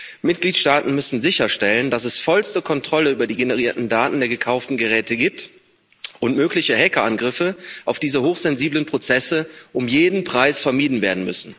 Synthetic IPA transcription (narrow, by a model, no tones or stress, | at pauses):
mɪt̚ɡ̥liːtʃtaːtn̩mʏsn̩zɪçɐʃtɛləndasɛsfɔlstəkʰɔntʁ̥ɔləyːbɐdiːɡenəʁ̞iːɐtn̩daːtn̩deːɐɡəkʰaʊftn̩ɡəʁɛːtəɡiːp̚t | ʔʊntmøːklɪçəɦɛkɐʔanɡʁɪfəʔaʊfd̥iːzəhoːxz̥ɛnziːblənpʁ̥ot͡sɛsəʔʊmjeːdn̩pʁ̥aɪsfɛɐmiːdn̩veːɐdn̩mʏ̰sn̩